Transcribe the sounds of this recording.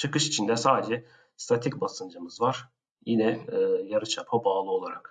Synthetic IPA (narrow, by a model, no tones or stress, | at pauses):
t͡ʃʰɯkɯʃit͡ʃʰind̪ɛsaːd̪ed͡ʒɛ | st̪ʰat̪ʰicbasɯnd͡ʒɯmɯzvaɾ̥ | jinɛːjaɾɯt͡ʃʰapʰabaːlˠɯo̞lˠaɾak